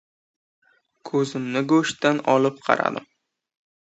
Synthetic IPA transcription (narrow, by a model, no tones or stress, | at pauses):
kʰɵzɪmnɪɡoʃt̪anɒlɪp̚qʰɑ̰ɾa̰d̪ɪ̰m